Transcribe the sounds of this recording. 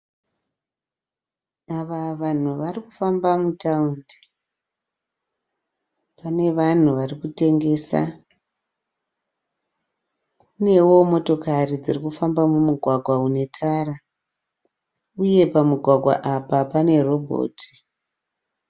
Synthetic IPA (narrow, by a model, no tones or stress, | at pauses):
aʋaʋan̤uʋarikufambamutaundi | pane̞ʋan̤uʋarikute̞ŋɡe̞ːsa̰ | kune̞wo̞mo̞to̞karid͡zirikufambamumuɡʱwaɡʱwaune̞tʰaːra | uje̞pamuɡʱwaɡʱwa̰ʔapapane̞ro̞bʱo̰ːtʰi̥